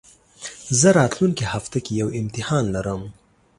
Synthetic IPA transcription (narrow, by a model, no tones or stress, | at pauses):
zəɾɑt̪luŋkehaft̪akejawɪmt̪ɪhɑnlaɾəm